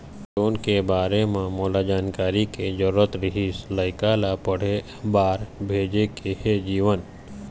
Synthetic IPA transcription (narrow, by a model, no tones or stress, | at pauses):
ɾoːnkebaːɾemãmoːlad͡ʒaːnkaːɾiked͡ʒəɾːət̪ɾɪɦiːsləɪkalapəɽ̤e | baːɾbʱeːd͡ʒekehed͡ʒiːʋən